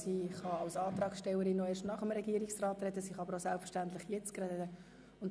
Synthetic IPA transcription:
siːχɑɑlsɑːt̪ɾɑːksʃtɛlːəɾinːoeːʃtnɑχəmɾɛɡiəɾiksrɑːt̪rɛd̪əsiːχɑɑbəɾosælpfə̥ʃtænt̪lɪχjɛt͡skɾɛddə | ʊnt

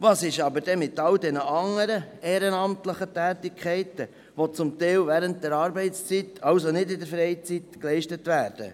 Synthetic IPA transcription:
vɑːsɪʃɑbəɾd̥ɛmɪtːɑldɛnəʔɑŋːəɾəɛːɾənɑmtləχətæːtɪkʰχɛɪtə | ʋot͡sʊmtɛɪlvæːɾənt̚d̥ɛɾɑːɾbɛɪtst͡sitɑlsonɪdɪdəɾfɾɛɪt͡sitklɛɪʃtətvæːɾd̥ə̰

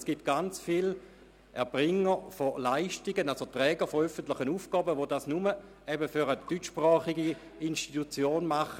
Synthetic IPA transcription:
sɡ̥it̚ɡ̥ant͡sfil | ʔɛɐb̥ʁɪŋəfolaɪʃtiɡənalsotʁɛːɡəfɔœfəntlɪχənuːfɡ̥ɔːbəʋodasnumə | ɛbəfyʁədyt͡ʃːpʁɑːχiɡi | inʃtitut͡sjoːnmaχə

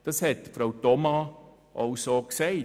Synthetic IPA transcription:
d̥ɑshɛtfɾaʊtɔmɑ | ʔɑwsoːksɛɪ

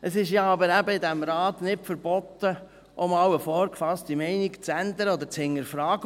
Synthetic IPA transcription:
əsɪʃjɑɑbəɾæbəɪd̪æmɾɑːt̪nɪtfəɾbɔt̪ːə | ʔʊmɑwəfɔːɾkfɑstimɛɪnɪkt͡sænd̪əɾəɔd̪əɾt͡shɪŋːəɾfɾɑːɡ

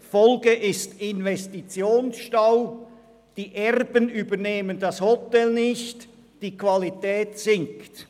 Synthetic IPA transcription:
fɔlɡəʔɪstɪnvɛstit͡sjoːnsʃtaʊ | d̥iːʔɛʁbənyːbəneːməndɑshɔtɛlnɪçt | d̥iːkvalitɛːtsɪŋkt

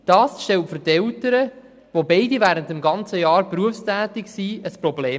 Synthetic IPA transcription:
d̥ɑːsʃtɛltfʏɾtɛltəɾə | ʋobeɪdivæːɾəntəmɡɑnt͡səjɑːɾpruəfstæːtɪksiəsprɔbleː

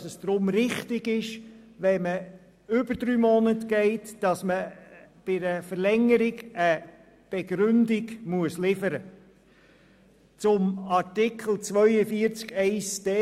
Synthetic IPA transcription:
səsd̥ɾʊmɾɪχtɪɡɪʃʋɛmə | ʏbədɾyːmɔnətɡ̥ɛɪtd̥ɑsməb̥ɪɾəfəɾlɛŋːəɾɪɡə | b̥ɛɡɾʉndɪɡmuəslɪfəɾə | t͡sʊmɑɾtɪkʰl̩ˠt͡sʋœʏəfiəɾt͡skɛɪsd̥eː

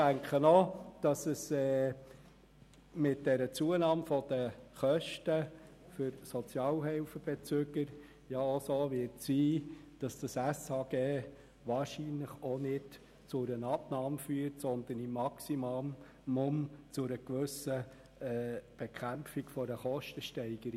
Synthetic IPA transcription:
d̥æŋkχənɔd̥ɑsəsɛː | mɪt̚dɛɾət͡suənɑːmfɔd̥əχœʃtə | fʏɾsɔt͡sjɑːlɦɛlfəb̥ɛt͡søɡəɾ | jɑosoːʋɪɾtsiːd̥ɑsd̥ɑsæsɑɡ̥eː | ʋɑːɾʃinləχonɪd | t͡sʊɾənɑbnɑːmfyːɾtsɔnd̪ənimːɑksimom | momt͡sʊɾəkʋɵsə | ɛːb̥ɛkʰæmfikfɔɾəχɔʃtəʃtɛɪɡ̥əɾi

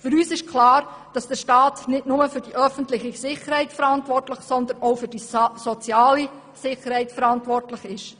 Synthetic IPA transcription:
fʏɾyːsɪʃkʰlɑːɾ | d̥ɑsd̥əʃtɑːtnɪtnʊməfʏɾd̥iʔœfən̩tlɪχisɪχəɾhɛɪtfəɾɑntʋɔrtlɪχsɔnd̪ənoʊfʏd̥isɔt͡sjɑːli | sɪχəɾhɛɪtfəɾɑntʋɔrtlɪχɪʃ

